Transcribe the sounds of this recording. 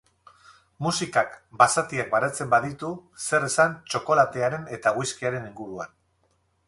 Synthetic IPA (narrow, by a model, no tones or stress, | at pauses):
musikakbasat̪iak̚baɾat͡se̞mbaðit̪use̞resant͡ʃo̞ko̞lat̪e̞aɾe̞ne̞t̪aɣujskiaɾe̞niŋɡuɾua̰n